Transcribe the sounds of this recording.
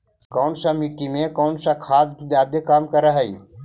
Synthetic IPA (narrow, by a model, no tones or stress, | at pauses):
kɔːnsamiʈimẽkɔːnsakʰaːd̪id̪aːd̪ekaːmkɐɾaɦəiː